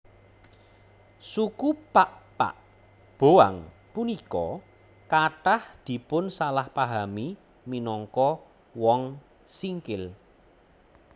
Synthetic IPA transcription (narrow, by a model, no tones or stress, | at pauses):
sukupaʔpa̰ʔ | b̥oa̰ŋ | punikɔ | kaʈahd̪̥i̤pʊnsalahpaɦami | minɔŋkɔ | wɔŋ | siŋkɪl